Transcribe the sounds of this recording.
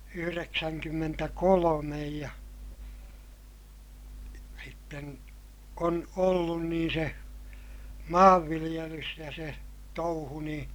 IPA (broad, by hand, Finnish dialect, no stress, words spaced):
yhyreksæŋkymːmentækolomej jɑ sitːen on olːun niːn̞ se mɑːʋːilij̆elys jɑ se touhu nĩː